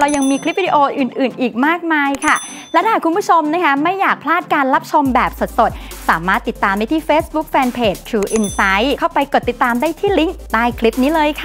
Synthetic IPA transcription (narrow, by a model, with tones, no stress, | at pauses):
ɾa˧wja˧ŋmiː˧kʰli˦˥p̚ːi˧di˧ʔoː˧ʔɯː˨˩nʔɯː˨˩nʔiː˨˩k̚maː˥˩k̚maː˧jkʰa˥˩ | lɛ˦˥wt̪aː˥˨˩kʰu˧npʰu˦˥t͡ɕʰo˧mna˦˥kʰa˦˥ma˥˩jːaː˨˩k̚pʰlaː˥˩t̪̚kaː˧nɾa˦˥p̚t͡ɕʰo˧mbɛː˨˩p̚so˨˩t̪̚so˨˩t̪̚saː˩˦maː˥˩t̪ːi˨˩t̪ːaː˧mdaː˥˩jt̪ʰiː˥˩feː˦˥sbu˦˥k̚fɛː˧npʰeː˨˩t͡ɕt̪ʰɾuː˧ʔi˧nsa˦˥jkʰa˥˩wpa˧jko˨˩t̪ːi˨˩t̪ːaː˧mdaː˥˩jt̪ʰiː˥˩li˦˥ŋdaː˥˩jkʰli˦˥p̚niː˦˥lɤː˧jkʰa˥˩